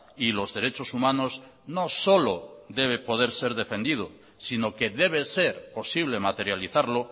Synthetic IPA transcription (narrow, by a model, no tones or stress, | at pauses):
ilo̞zðe̞ɾe̞t͡ʃo̞sumãnozno̞so̞loðe̞β̞epo̞ð̞e̞ɾse̞ɾðe̞fẽ̞nd̪iðo | sino̞keðe̞β̞e̞se̞ɾpo̞siβ̞le̞mat̪e̞ɾjaliθaɾlo